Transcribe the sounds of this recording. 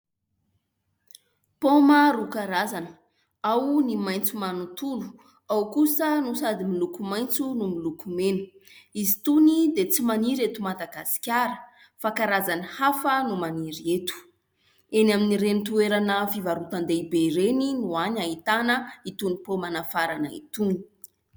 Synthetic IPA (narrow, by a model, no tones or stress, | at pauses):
poməɾukaɾazanə̥ | awnimajnt͡sumanut̪ulu̥ | awkusənusad̪imilukumajnt͡sunumilukumenu̥izit̪unid̪et͡simaniɾet̪umad̪aɡasi̥kʲaɾə | fakaɾazanəhafənumaniɾiet̪u̥ | enaminiɾenit̪ueɾanəfivaɾut̪and̪eibeiɾeninuaɲaɦit̪anəit̪unipomanafaɾanəḭt̪uni̥